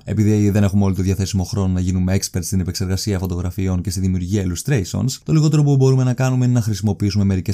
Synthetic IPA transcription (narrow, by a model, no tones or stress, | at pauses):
e̞̰piðiðe̞ne̞xumeo̞lit̪o̞ðʝɐθe̞simo̞xɾo̞no̞nɐʝinume̞ekspe̞ɾt̪st̪inepekse̞ɾɣɐsiɐfo̞t̪oɣɾɐfio̞ɲce̞st̪iðimiuɾʝiɐilust̪ɾeiso̰nst̪o̞liɣo̞t̪e̞ɾopubo̞ɾume̞nɐkɐnumeinenɐxɾisimo̞piis̬ume̞me̞ɾice̞